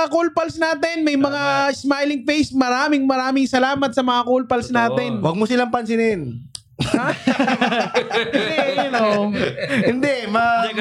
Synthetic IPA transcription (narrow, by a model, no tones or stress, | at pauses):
akolpɐlsnaːt̪ɛnmɐjmɐŋaɪsmajlɪŋfejsmɐɾaːmɪŋmɐɾaːmɪŋsɐlaːmɐt̪̚sɐmɐŋakolpɐlsnaːt̪ɛnwɐɡ̚mosɪlaŋpɐnsɪnɪn | a | no | hɪnd̪ɛmɐ